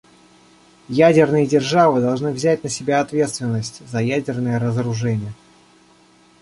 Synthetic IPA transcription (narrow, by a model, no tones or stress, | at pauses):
jædʲɪrnɨjədʲɪrʐavɨd̪ɐlˠʐnɨvzʲætʲnəsʲɪbʲaɐt̪vʲe̞t̪st̪vʲɪnːəsʲtʲzɐjædʲɪrnəjəɾəzəɾʊʐɛnʲɪjə